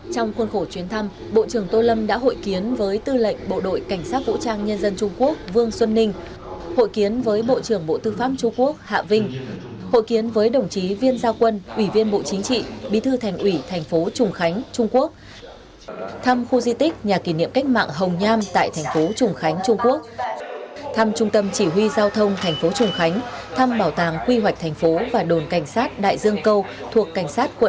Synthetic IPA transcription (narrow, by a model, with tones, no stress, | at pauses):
t͡ɕɔ˧wŋ͡mxwə˧nxo˧˩t͡ɕwi˨˦ənt̪ʰa˧m | ɓo̰˧˨t͡ɕɨ˧˩əŋt̪o˧lə˧mɗa̰ː˧˥ɦo̰˧˨jki˨˦ənvəː˨˦jt̪ɨ˧lə̰˧˨jŋ̟ɓo̰˧˨ɗo̰˧˨jka˧˩jŋ̟saː˦˥t̚vṵ˧˥t͡ɕaː˧ŋɲə˧nzə˧nt͡ɕʊ˧ŋ͡mku˦˥ək̚vɨ˧əŋswə˧nːï˧ŋ̟ | ho̰˧˨jki˨˦ənvəː˨˦jɓo̰˧˨t͡ɕɨ˧˩əŋɓo̰˧˨t̪ɨ˧faː˦˥p̚t͡ɕʊ˧ŋ͡mku˦˥ək̚ha̰ː˧˨vï˧ŋ̟ | ho̰˧˨jki˨˦ənvəː˨˦jɗə˨˩wŋ͡mt͡ɕi˨˦vi˧ənzaː˧wkwə˧nʔwi˧˩vi˧ənɓo̰˧˨t͡ɕï˨˦ŋ̟t͡ɕḭ˧˨ɓi˨˧˦t̪ʰɨ˧t̪ʰɛ˨˩jŋ̟ʔwi˧˩t̪ʰɛ˨˩jŋ̟fo˨˦t͡ɕʊ˨˩ŋ͡mxa˨˦jŋ̟t͡ɕʊ˧ŋ͡mku˦˥ək̚ | t̪ʰa˧mxu˧zi˧t̪ï˦˥k̟̚ɲaː˨˩ki˧˩nḭ˧˨əmka˦˥jk̟̚ma̰ː˧˨ŋɦə˨˩wŋ͡mɲaː˧mt̪a̰ː˧˨jt̪ʰɛ˨˩ŋ̟fo˨˦t͡ɕʊ˨˩ŋ͡mxa˨˦jŋ̟t͡ɕʊ˧ŋ͡mku˦˥ək̚ | t̪ʰa˧mt͡ɕʊ˧ŋ͡mt̪ə˧mt͡ɕi˧˩ɦwi˧zaː˧wt̪ʰə˧wŋ͡mt̪ʰɛ˨˩jŋ̟fo˨˦t͡ɕʊ˨˩ŋ͡mxa˨˦jŋ̟t̪ʰa˧mɓaː˧˩wt̪aː˧˩ŋkwi˧ɦwa˨˩k̟̚t̪ʰɛ˨˩jŋ̟fo˨˦vaː˨˩ɗo˨˩nka˧˩jŋ̟saː˦˥t̚ɗa̰ː˧˨jzɨ˧əŋkə˧w | t̪ʰu˨˩əkːa˧˩jŋ̟saː˦˥t̚kwə̰˧˨